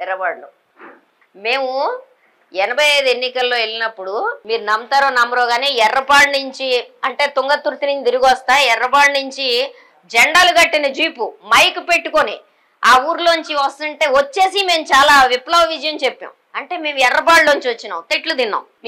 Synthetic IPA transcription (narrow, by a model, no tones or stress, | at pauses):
ɛɾɐpaːɽlu | me̞ːmu | ɛnɐbʱɐjɐjd̪enːikɐlːo̞ːe̞lːinɐpːuɽumiːɾunɐmːt̪aːɾoːnɐmbɐɾoːɡaːniːɛrːɐpaːɽnuɲt͡ʃiɐɳʈe̞ːt̪uŋɡɐt̪ːuɾt̪iniɲt͡ʃid̪iɾuɡɔst̪aːɛrːɐpaːɽnuɲt͡ʃi | d͡ʒɛɳɖaːluɡɐʈːinɐd͡ʒuːpumɐjkupe̞ʈːukoni | aːuːɾuloːɲt͡ʃiɐst̪ɐɳʈe̞ːʋot͡ʃːe̞ːsime̞ːmt͡ʃaːlaːʋiplɐʋɐʋid͡ʒɐjɐmt͡ʃe̞pːɐ̰w | ɐɳʈe̞ːme̞ːmuɛrːɐp̬aːɽloːɲt͡ʃiʋɐt͡ʃːina̰ːwt̪eʈlud̪inːa̰ːm